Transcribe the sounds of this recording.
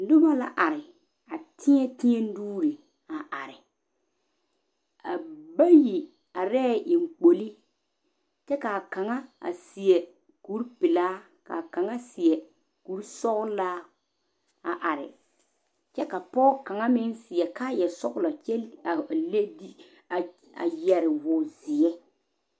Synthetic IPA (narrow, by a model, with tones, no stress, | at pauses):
dʊ˦ba˦la̰˦ʔa˨ɾɪ˨ | a˨tʰɪ˦ɛ˦tɪ˦ɲɛ˦n˦duː˦ɾi˨ | a˨ʔa˨ɾɪ˨ | a˨ba˦ji˨ | a˨ɾɛː˦˨ʔɪ˨ŋ˨k͡po˨li˦ | t͡ʃɛ˦ka˨ka˨ŋa˦a̰˨sɪ˨ɛ˨ | ku˦ɾpɪ˨laː˦ | ka̰˨ka˨ŋa˦sɪ˨ɛ˨ | ku˨˦ɾsɔ˦ɣlaː˦ | a˨ʔa˨ɾɪ̰˨ | t͡ʃɛ˦ka˨pɔː˦ka˨ŋa˦mɪ˦nsɪ˨ɛ˨kaː˦jɛ˨sɔ˦ɣlɔ˨t͡ʃɛ˦a˨le˦di˦˨ | a̰˨jɛ˨ɾɪ˨wʊ˨zɪ˨jɛ˦